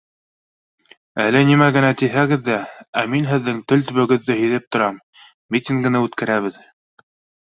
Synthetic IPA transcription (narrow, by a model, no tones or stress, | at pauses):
ælɘnimæɡɘ̆næt̪ihæɡɘðːææminɦɘ̆ðːɘŋt̪ɵlt̪ɵ̆βɘ̆ɡɘ̆ðːɘɦɵ̆ðɘp̚t̪ŏɾɑm | mit̪ʲiŋɡɤ̆nɘʉt̪kæɾæβɘð